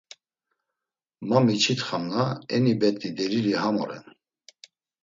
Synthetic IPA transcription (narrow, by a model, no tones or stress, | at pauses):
mamit͡ʃʰit̪χamnaɛnibɛt̪ʼid̪ɛɾilihamɔɾɛ̰n